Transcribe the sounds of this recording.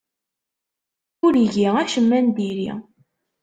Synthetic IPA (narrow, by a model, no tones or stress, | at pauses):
ʊɾiʝiæʃəmːænd̪iɾḭ